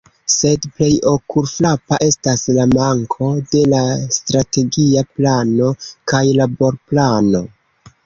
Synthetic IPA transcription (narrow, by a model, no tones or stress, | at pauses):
se̞dple̞jo̞kuɾflapaʔe̞staslamaŋkʰo̞de̞lastɾate̞ɡiaplano̞kajlabo̞ɾplano̞